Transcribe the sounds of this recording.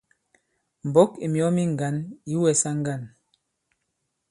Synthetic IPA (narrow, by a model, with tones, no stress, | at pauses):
m˨bɔ˦ki˨mjɔ˦mi˦ŋ˨ɡa˨˦ni˦wɛ˨sa˦ŋ˦ɡa˦˨n